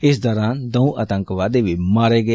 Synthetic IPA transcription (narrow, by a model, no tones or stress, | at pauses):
ɪsd̪ɔːɾaːnd̪əũʔət̪ə̃ŋkʋaːd̪eːʋiːmaːɾeːɡe